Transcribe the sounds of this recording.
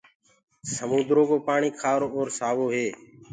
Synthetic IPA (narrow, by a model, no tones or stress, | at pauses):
səmuːd̪ɾoːkoːpaːɳiːkʰaːɾoːoːɾsaːʋoːɦeː